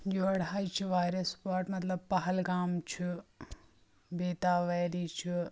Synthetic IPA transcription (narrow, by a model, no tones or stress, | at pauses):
joɐɽaːjt͡ʃʰiʋaːjɾɐspaːɾʈmɐt̪lɐb̚pɐɦɐlɡaːmt͡ʃʰi | beːt̪aːʋɐjliːt͡ʃʰi